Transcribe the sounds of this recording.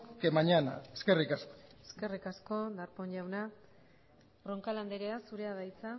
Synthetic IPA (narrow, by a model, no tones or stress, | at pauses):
kemaɲana̰eske̞rikaskoe̞ske̞rikasko̞d̪aɾpo̞ɲʎawna | roŋkaland̪eɾeasuɾe̞aðajt͡sa